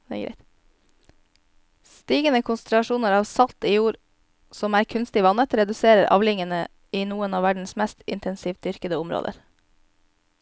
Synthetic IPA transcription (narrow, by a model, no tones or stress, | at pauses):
æ̰ɪt̪ | st̪iːɡənəkʰʊnsənɾʉɑʃuːnəɾɑːʋsɑlt̪iːjuːɾ | sɔmæːɾkʰʉnst̪ɪʋɑnət̪ɾɛd̪ʉseːɾəɾʔɑ̰ːʋlɪŋənə | iːnuːənɑːʋæɖɳ̩smɛst̪ɪ̰nt̪ʰɛnsiːʋ̚d̪ʏɾkəd̪əʊmɾo̰ːd̪ə̰ɾ